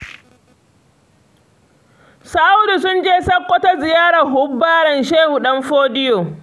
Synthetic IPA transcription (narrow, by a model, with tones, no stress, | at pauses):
sa˦ʔa˦wdi˨sʊ˦nd͡ʒeː˦sɐ˦kʷːɔ˦ta˦zɪ˨jaː˦ɽa˨ɦʊ˦bːaː˦ɽɐ˨nʃeː˦hu˨ɗɐ˦mɸoː˦dɪ˦joː˨